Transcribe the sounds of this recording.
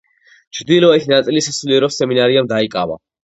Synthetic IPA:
t͡ʃʰɾd̪ilˠɔait̪ʰnat̪sʼilisasuliɾɔsɛminaɾiamd̪aikʼava̰

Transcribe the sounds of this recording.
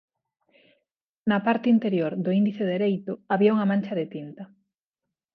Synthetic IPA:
nɐpaɾt̪ɪint̪eɾjoɾðʊind̪iθeðeɾejt̪ʊaβiauŋɐmãnt͡ʃɐðet̪int̪ɐ

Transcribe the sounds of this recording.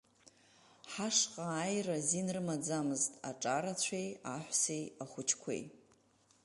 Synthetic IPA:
ħaʂqʼaːjrazinrɨmad͡zamɨztʼa̰ʈ͡ʂʼaɾat͡ɕʷʰejaħʷsejaχʷʊt͡ʃʰkʷʰḛj

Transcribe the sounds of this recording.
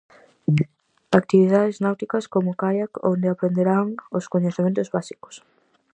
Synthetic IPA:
ak̚t̪iβiðaðɪznawt̪ikɐskomʊkajako̰nd̪eapɾend̪eɾaŋoskoɲeθemẽnt̪ozβasi̥ko̥s

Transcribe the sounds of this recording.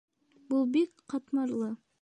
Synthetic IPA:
bulˠbekqʰɑt̪mɑɾlˠə

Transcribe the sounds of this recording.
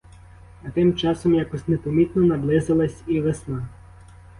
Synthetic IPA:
ɐt̪ɪmt͡ʃɑsɔmjakɔsʲnepɔmʲit̪nɔnɐblˠɪzɐlˠɐsʲiʋesnɑ

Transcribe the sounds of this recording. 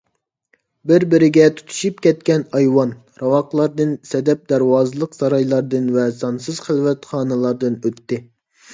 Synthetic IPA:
bɪɾbɪɾɪɡʲɛt̪ʰu̥t̪ʰu̥ʃup̚kʲɛt̪̚kʲɛnɑjwɑn | ɾɑwɑqlˠɑɾd̪ɨnsɛd̪ɛp̚d̪æɾwɑːzɨlˠəqsɑɾɑjlˠɑɾd̪ɨnvɛsɑnsɨz̥χəlˠvɛt̪χɑːnɨlˠɑɾd̪ɨnøt̪ːɪ

